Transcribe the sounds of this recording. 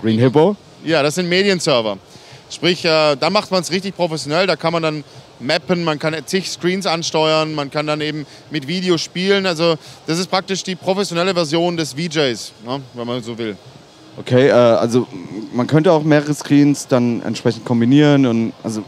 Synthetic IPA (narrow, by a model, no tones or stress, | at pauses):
ɡ̥ʁiːnhɪpo | jaːɾasz̥ɪntmeːɾjənsœɐvɐ̰ʃpʁ̥ɪçʔɛːdanmaχtmansʁɪçtɪçpʁ̥ofɛsjonɛldaːkʰanmandan | mɛpən̩mankant͡sɪçskʁ̥iːnsʔanʃtɔʏɐnmankandanʔeːbm̩ | mɪtv̥iːdeoʃpiːlənʔalzod̥as̬ɪstpʁ̥ak̚tɪʃd̥iːpʁ̥ofɛsjonɛləvɛɐzjoːndɛsviːd͡ʒeɪsnəvɛnmanzoːvɪl | ʔokʰeːʔɛːʔa̰lzomankʰœntəaʊxmeːʁəʁəskʁ̥iːnsd̥anʔɛ̰ntʃpʁ̥ɛçn̩t̚kʰɔmbiniːʁənʊnʔa̰lzo